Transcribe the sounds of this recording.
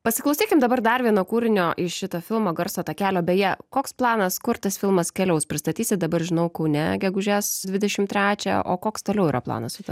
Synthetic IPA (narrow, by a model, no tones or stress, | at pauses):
pɐsʲɪklˠɐʊsʲiːkʲɪmd̪ɐbɐɾd̪ɐrʋʲiɛnoːkuːɾʲɪnʲoːʔɪʃʲɪt̪oːfʲɪlˠmoːɡɐɾsoːt̪ɐkʲæːlʲoːbʲɛːjɛkoːksplˠɑːnɐskʊɾt̪ɐsfʲɪlˠmɐskʲɛlʲɛʊspʲɾʲɪst̪ɐt̪ʲiːsʲɪt̪̚d̪ɐbɐɾʒʲɪnɐʊkɐʊnʲɛɡʲɛɡʊʒʲæsd̪ʲʋʲɪd̪ʲɛʃʲɪmt̪ʲɾʲæːt͡ʃʲɛ̰ʔo̰ːkoːkst̪oːlʲɛʊiːɾɐplˠɑ̰ːnɐsʊt̪ɐ